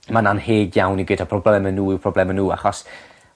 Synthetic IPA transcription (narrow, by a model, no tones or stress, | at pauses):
mananheːdjawniɡwɪdapʰrɔblɛmənːuːɪwpʰrɔblɛmənuːa̰χɔs